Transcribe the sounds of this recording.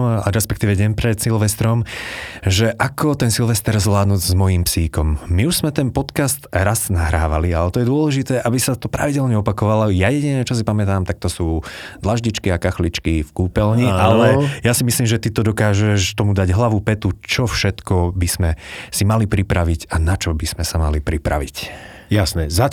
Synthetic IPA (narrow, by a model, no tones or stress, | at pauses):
ɾɛspɛk̚t̪iːʋɛɟɛmpɾɛt̪silʋɛst̪ɾɔm | ʒɛʔakʰɔt̪ɛnsilʋɛst̪ɛɾzʋlaːd̪nuːɟzmɔjiːmpsiːkɔmːiuʒz̥mɛt̪ɛnpɔt̪kast̪ɾaznaɦɾa̰ːʋa̰lialɛt̪ɔjɛd̪ʊɔlɛʒit̪ɛːʔabisat̪ɔpɾa̰ʋiɟɛlɲɛɔpakɔʋalɔjajɛɟinɛt͡ʃɔs̬ipamɛt̪aːmt̪ak̚t̪ɔsuːd̪laʒɟit͡ʃkiakaxlit͡ʃkifkuːpɛlɲiʔalɛjasimisliːmʒɛt̪it̪ɔd̪ɔkaːʒɛʃt̪ɔmud̪aɟɦlaʋupɛt̪ut͡ʃɔfʃɛt̪kɔbiz̥mɛsimalipɾipɾaʋiɟanat͡ʃɔbiz̥mɛsamalipɾipɾa̰ʋic | jasnɛza